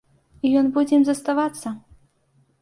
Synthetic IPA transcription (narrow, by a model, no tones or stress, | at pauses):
ijɔnbud͡zʲɛmzɐst̪avat̪sːɐ